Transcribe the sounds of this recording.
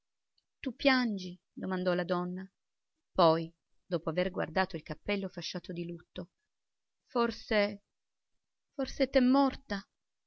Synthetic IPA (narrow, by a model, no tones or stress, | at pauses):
t̪upːjand͡ʒi | d̪omand̪ɔlad̪ɔnːa | pɔj | d̪oːpoaverɡwa̰rd̪aːt̪oilkapːɛlːofaʃːaːt̪od̪ilut̪ːo | forse | forset̪ɛmːɔrt̪a